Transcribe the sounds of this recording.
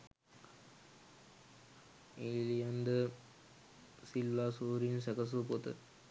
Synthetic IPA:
eːlijɐnd̪ə | silːaːsuːɾinsɛkɐs̬upot̪ə̰

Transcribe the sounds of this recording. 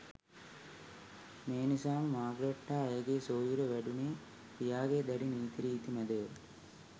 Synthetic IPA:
meːnisaːmmaːɡɾɐʈːaːeɡeːsoːjuɾəʋæɖuneː | pijaːɡeːd̪ɛɖiniːt̪iɾiːt̪imæd̪eʋə

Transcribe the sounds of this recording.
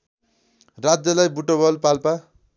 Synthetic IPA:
rad͡zjʌlajbuʈobʌlpalpa

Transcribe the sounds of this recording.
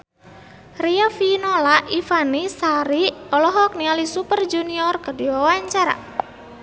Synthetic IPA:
riɔfinɔlaʔifanisaɾiɔlɔɦɔk̚nialisupərd͡ʒuniɔrkədiwawaɲt͡ʃaɾa̰

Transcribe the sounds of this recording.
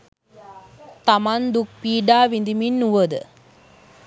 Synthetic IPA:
t̪amand̪uk̚piːɖaːʋind̪iminːuʋəd̪ə̰

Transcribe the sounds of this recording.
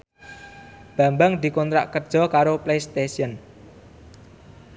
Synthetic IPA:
b̥a̤mbaŋd̪i̤kɔnt̪ɾa̰ʔkər̥ʒ̥ɔ̤kaɾoplejst̪esiən

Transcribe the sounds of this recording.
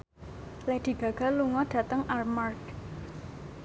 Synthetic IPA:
lɛd̪̥i̤ɡ̥ä̤ɡ̥a̤luŋɔɖ̥ä̤t̪əŋʔalmark

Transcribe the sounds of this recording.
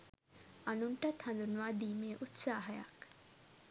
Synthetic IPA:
ɐnuɳʈɐt̪ʰhɐ̃nd̪unʋaːd̪imeʔut̪saːɦɐja̰k

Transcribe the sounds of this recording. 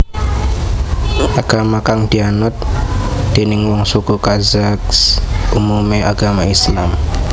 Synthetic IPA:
akamakaŋtianɔt̪tːeniŋwɔŋsokokazaksumumeʔaɡamaislam

